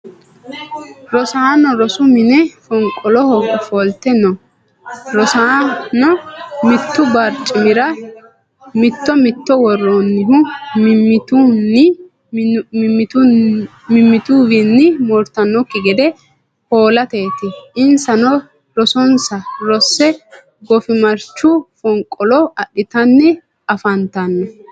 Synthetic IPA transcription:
ɾɔsaːnɔɾɔsʊmɪnɛfɔŋkʼːɔlɔhɔfɔlt̪ɛnːɔ | ɾɔsaːnɔmɪt̪ːʊbɐɾt͡ʃʼːɪmɪɾɐ | mɪt̪ːɔmɪt̪ːɔwɔrːonːɪɦʊ | ɪt̪unɪ | mːɪ | mɪmːɪt̪uːwɪnːɪmɔɾt̪ɐnːɔkːɪɡɛd̪ɛ | ho̞ːlɐt̪e̞ːt̪ɪʔɪnsɐnɔ | ɾɔsɔnsɐɾɔsːɛ | ɡɔfɪmɐɾt͡ʃːʊfɔŋkʼɔlɔɐɗɪt̪ɐnːɪ | ɐfɐnt̪ɐnːɔ

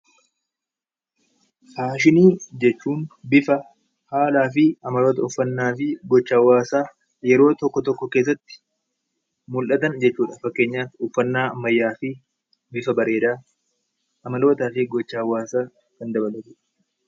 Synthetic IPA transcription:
haːʃ̬ɪniːd͡ʒɛt͡ʃːuːnbɪfɐ | haːlaːfɪɐmɐlo̞ːt̪ɐʊfːɐnːaːfɪɡɔt͡ʃːawːaːsaː | jɛɾo̞ːt̪ɔkːɔt̪ɔkːɔke̞ːs̬ːɐt̪ːɪ̥ | mʊlʔɐt̪ɐnd͡ʒɛt͡ʃːuːᶑafɐkːe̞ːɲːaːʊfːɐnːaːɐmːɐjːaːfɪ | bɪfɐbɐɾe̞ːd̪aː | ɐmɐlo̞ːt̪aːfɪɡɔt͡ʃːaːwːaːsaː | kɐnd̪ɐbɐlɐt̪uᶑ̥

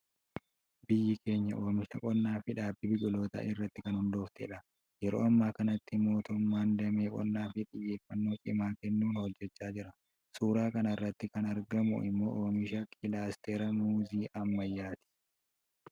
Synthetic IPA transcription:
bɪjːɪke̞ːɲːɐʔo̞ːmɪʃɐkʼɔnːaːfɪᶑaːbːɪbɪkʼʊlo̞ːt̪ɐ̰ʔɪrːɐt̪ːɪkɐnhʊnd̪o̞ːft̪ɛ̰ᶑɐ | jɛɾo̰ːɐmːaːkɐnɐt̪ːɪmo̞ːt̪ʊmːaːnd̪ɐmeːkʼɔ̰nːaːfɪt̪ʼɪjːe̞ːfːɐnːo̞ːsʼɪmaːkɛnːuːnhɔd͡ʒːɛt͡ʃːaːd͡ʒɪɾɐ | suːɾaːkɐnɐɪrːɐt̪ːɪkɐnɐɾɡɐmʊ̰ʔɪ̰mːo̞̰ːʔoːmɪʃɐkʰɪlaːst̪eːɾɐmuːziːʔɐmːɐjːaːt̪ɪ̥

